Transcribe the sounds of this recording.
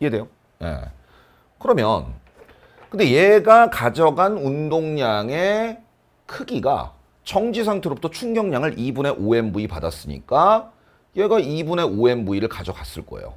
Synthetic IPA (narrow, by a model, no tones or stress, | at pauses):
jede̞jo | jḛ | kɯɾʌmjʌn | kɯnde̞je̞ɡakad͡ʑʌɡanundoŋɲaŋe̞ | kʰɯɡiɡa̰ | t͡ɕʌŋd͡ʑis̬ʰaŋtʰe̞ɾobutʰʌt͡ɕʰuŋɡjʌŋɲaŋɯɭibune̞ʔoe̞mbuipadas͈ɯɲḭk͈a | je̞ɡaibune̞oe̞mbuiɾɯɭkad͡ʑʌkas͈ɯɭk͈ʌ̰ejo̰